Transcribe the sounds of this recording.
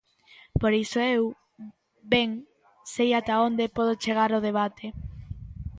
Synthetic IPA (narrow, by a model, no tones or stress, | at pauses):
poɾisoew | beŋ | sejat̪aond̪epɔð̞ot͡ʃeɣ̞aɾoð̞eβ̞at̪ʰe